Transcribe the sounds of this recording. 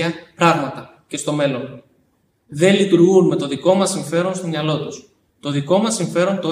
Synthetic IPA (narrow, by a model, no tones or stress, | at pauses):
ɐpɾɐɣmɐt̪ɐ | ce̞st̪o̞me̞lo̞n | ðe̞lit̪uɾɣunme̞t̪o̞ðiko̞mɐsːiɱfe̞ɾo̞nst̪o̞mɲɐlo̞t̪us | t̪o̞ðiko̞mɐsːiɱfe̞ɾo̞nt̪o̞